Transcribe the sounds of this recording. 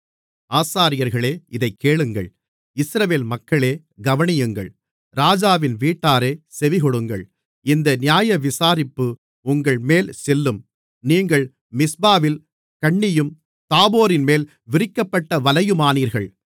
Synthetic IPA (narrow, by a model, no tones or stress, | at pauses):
aːsaːɾɪjɐɾɣɐɭeːɪðɐɪkːeːɭɯŋɡɐ̰ɭ | ɪsɾɐʋeːlmɐkːɐɭeː | ɡɐʋɐɳɪjɯŋɡɐ̰ɭ | ɾaːd͡ʒaːʋɪnʋiːʈːaːɾeːsɛʋɪɣɔɽɯŋɡɐ̰ɭ | ɪnd̪ɐnɪjaːjɐʋɪsaːɾɪpːɯ | ʊŋɡɐɭmeːlsɛlːɯm | niːŋɡɐɭ | mɪsbaːʋɪl | kɐɳːɪjɯm | t̪aːboːɾɪnmeːl | ʋɪɾɪkːɐpːɐʈːɐʋɐlɐjɯmaːniːɾɣɐɭ